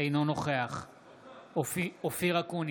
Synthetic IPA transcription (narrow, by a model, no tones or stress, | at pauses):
ejnonoχeaχ | ofiofiʁakun